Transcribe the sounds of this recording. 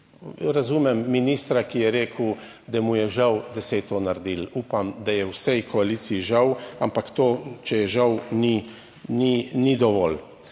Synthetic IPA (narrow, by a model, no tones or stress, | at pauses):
ɾazumɛmːiniːst̪ɾakijɛɾeːkʰw | d̪amujɛʒawd̪ɛsejt̪onaɾd̪ilupamd̪ajɛwsɛjkɔaliːt̪siiʒawampakt̪oːt͡ʃɛjɛʒawni | ninid̪ɔʋɔ̰l